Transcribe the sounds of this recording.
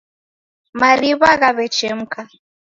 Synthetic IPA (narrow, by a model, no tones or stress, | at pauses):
maɾiβaɣaβɛt͡ʃɛm̩ka